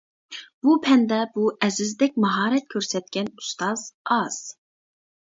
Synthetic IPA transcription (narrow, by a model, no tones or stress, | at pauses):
b̥upʰɛnd̪ɛbuɛzɪzd̪ɛk̚ʲmɑɦɑːɾɛt̪̚kʲʰøɾsɛt̪̚kʲɛnust̪ɑz̥ɑz̥